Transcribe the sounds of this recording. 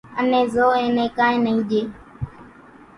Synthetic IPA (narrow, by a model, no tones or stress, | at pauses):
ənẽːzoːẽːnẽːkãːẽːnəɦĩːʄeː